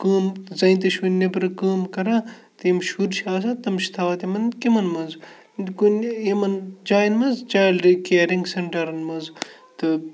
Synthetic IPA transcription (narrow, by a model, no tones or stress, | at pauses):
kəːmzɐĩnt̪ɐʃunʲːepɨɾɐkəːmkɐɾãː | t̪emʃuɾʃaːs̬at̪ɐmʃi̥t̪ʰaːʋɐt̪emɐnkimɐnmɐz | ɡunemɐnd͡ʒaːjnmɐzd͡ʒaːlɾikeːɾiŋɡseɳʈɐɾɨnmɐz | t̪ɨ